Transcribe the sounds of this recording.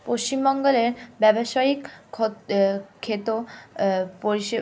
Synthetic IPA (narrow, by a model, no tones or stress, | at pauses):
poʃt͡ɕimbɔŋɡoleɾbɛboʃaikʰo | kʰːet̪o | poɾiʃe